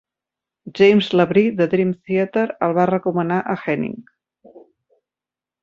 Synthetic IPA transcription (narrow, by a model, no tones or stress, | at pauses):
ʒejmzləβɾiðəðɾimθiət̪əɾəlˠβarəkumənaʔəxɛnḭŋ